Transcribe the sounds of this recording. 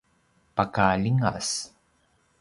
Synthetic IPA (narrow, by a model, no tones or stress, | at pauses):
pakaliŋa̰s